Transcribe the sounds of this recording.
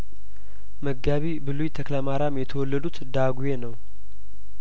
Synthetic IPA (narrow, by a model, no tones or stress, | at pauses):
məɡːaβibɨlujt̪ʰəkləmaɾamjɛt̪ʰəwɔlːəd̪ut̪d̪aɡujenəw